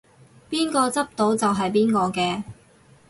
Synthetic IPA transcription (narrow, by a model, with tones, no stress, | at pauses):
piː˥nkɔː˧t͡sɐ˥p̚t̪o˨˥wt͡sɐ˨wɦɐ˨jp̬iː˥nkɔː˧kɛː˧